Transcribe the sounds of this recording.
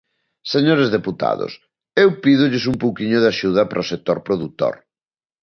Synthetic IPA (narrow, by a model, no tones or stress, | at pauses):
seɲoɾezðeput̪a̰ðʊ̰s | ewpiðʊʎɪsumpowkiɲʊðaʃuð̞ɐpɾʔɐosek̚t̪oɾpɾoðut̪o̰ɾ